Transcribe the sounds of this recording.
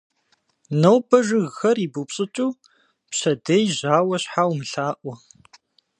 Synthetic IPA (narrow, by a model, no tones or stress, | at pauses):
nɐwbɐʒɨɣːɐriːbupɕʼɨt͡ʃʼuː | pɕɐdɐjʑaːwɐɕħaːwmɨɬaːʔʷɔ